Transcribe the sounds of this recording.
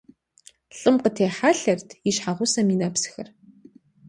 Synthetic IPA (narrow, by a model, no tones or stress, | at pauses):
ɬʼɨmqətʰeːħaɬɐrtʰiɕħaʁʷʊsɐmiːnɐpsxɐr